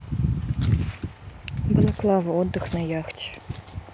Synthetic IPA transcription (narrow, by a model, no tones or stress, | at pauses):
bɨlˠaklˠɑvɐɔd̪ːɨxnajaxtʲ